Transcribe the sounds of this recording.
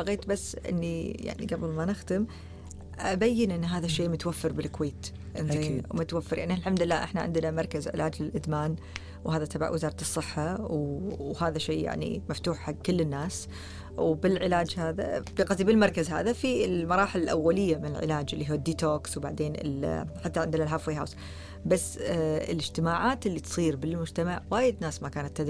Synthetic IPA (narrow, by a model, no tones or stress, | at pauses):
baɣeːt̪basːʔɪ̰nːija̰ʕnḭɡabɪlmanɪxd̪ɪm | ʔabajːɪnʔɪnːɦaːðaʃːeːmʊt̪wafːɨɾbɪlkweːt̪ | ʔɪnzeːmʊt̪wafːɪɾˤjaʕnilħamd̪lːaːʔɪ̰ħnaʕɪ̰nd̪namɑɾˤkazʕɪ̰lʔaːd͡ʒlɪlʔɪd̪maːn | whaːðat̪aba̰ʕwʔɪ̰zɑːɾˤɑt̪ɨsˤːɨħːawhaːðaʃeːja̰ʕnḭmaft̪uːħħaɡkɪlːɪnːaːs | wbɪlʕɪlaːd͡ʒhaːða̰bɪqɑzˤibɪlmɑɾˤkazha̰ːðafiɪlmɑɾˤɑːħɪlɪlʔa̰wːalɪjːamɪnɪlʕɪ̰laːd͡ʒɪlːiɦuːd̪ːiːt̪oːkswbaʕd̪eːnɪ̰lħat̪ːaʕɪnd̪nalɦaːfweːɦaws | basːɪ̰lɪd͡ʒt̪ɪmaːʕaːt̪ɪlːit̪sˤiːɾbɪlmʊd͡ʒt̪amaʕwaːjɪd̪naːsmakaːnat̪ːad̪